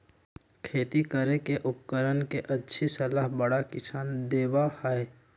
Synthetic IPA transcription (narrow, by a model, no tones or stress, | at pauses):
kʰeːt̪ikəɾekeʔʊp̚kəɾənkeʔɐtːʃʰisɐlaːɦbəɽakɪsʰaːnd̪eːʋahae